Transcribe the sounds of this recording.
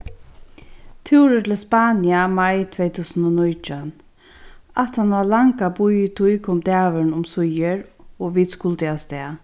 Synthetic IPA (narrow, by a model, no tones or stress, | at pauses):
t̪ʰuwɾət̪ʰɪlspaːnɪamajt̪ʰvɛjt̪ʰuːsənɔnɔjt͡ʃan | at̪hanʋalaŋkabʊjt̪ʰujkʰɔmt̪æːʋɪnʊmsʊjəɹɔʋiːd̪skʊlt̪ɪast̪ɛː